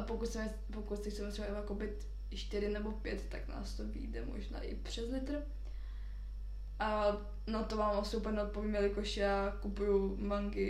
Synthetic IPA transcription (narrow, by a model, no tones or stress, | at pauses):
apokut̪sɛmɛ | pokut̪sɛsɛmɛt̪sbaɛakopɪt̪ | ʃt̪ɪɾɪnɛbopjɛt̪ːakna̰ːst̪ovḭːdɛmo̰ʒna̰ːʔɪ̰pr̝̥ɛzlɪt̪ɾ | ʔa | nat̪ovaːmasɪup̩ɲnɛot̪̚poviːmvɛlɪkoʃɛakupujumaŋɡɪ